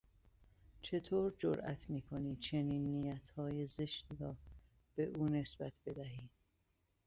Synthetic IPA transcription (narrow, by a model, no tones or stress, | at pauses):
t͡ʃʰe̞t̪ʰoːɾd͡ʒo̰ɾʔæ̰t̪ʰmiːkʰoni̥ːt͡ʃʰe̞niːnːijæt̪ʰhɒːjezeʃd̪ɾɒː | b̥e̞ʔuːne̞sb̥æt̪ʰb̥e̞d̪æɦiːd̪̥